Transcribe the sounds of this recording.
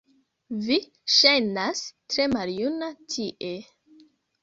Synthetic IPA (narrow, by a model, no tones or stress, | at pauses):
vi | ʃajnastɾe̞maljunatʰiʔe